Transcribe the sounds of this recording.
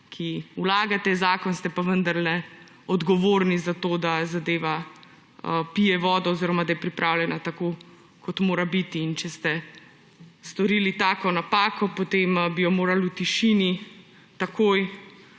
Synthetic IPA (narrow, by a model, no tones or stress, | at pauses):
kʰiulaːɡat̪ɛzaːkɔnst̪ɛpaʋənd̪aɾlɛ | ɔd̪ɡɔʋoːɾnizat̪oːd̪azad̪eːʋa | pijɛʋɔːd̪ɔːziɾɔmad̪ajɛpɾipɾʔaːwljɛnat̪ako | kɔt̪moːɾabit̪iːnt͡ʃɛst̪ɛ | st̪ɔɾiːlit̪aːkɔnapaːkɔpot̪embijɔmoːɾalut̪iʃini | t̪akʰoːj